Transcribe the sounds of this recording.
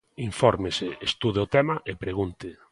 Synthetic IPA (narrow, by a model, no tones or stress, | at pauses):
iɱfɔɾmesɪest̪uð̞eʊt̪ɛmaʔepɾeɣunt̪ɪ